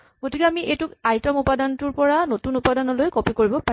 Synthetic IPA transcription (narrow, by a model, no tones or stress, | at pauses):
ɡ̥otikɛamiʔejtʊkajtɔmupadɔnɔtʊɹpɔɹanotunupadɔnɔlojkopikoɹibɔpa